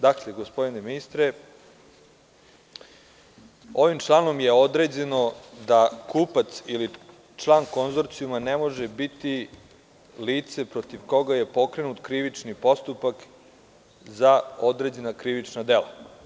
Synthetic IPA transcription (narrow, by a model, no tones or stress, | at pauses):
d̪akleɡospo̞d̪ineminist̪ɾe | o̞ʋimt͡ʃlˠano̞mje̞o̞d̪ɾed͡ʑe̞no̞d̪akuːpat̪sili | t͡ʃlˠaːnko̞nzo̞ɾt̪sijumanemo̞ʒe̞bit̪i | liːt̪se̞pɾo̞t̪iʋko̞ɡaje̞po̞kɾe̞nut̪kɾiʋit͡ʂnipo̞st̪upak | zaod̪ɾed͡ʑe̞nakɾiʋit͡ʂnad̪e̞la̰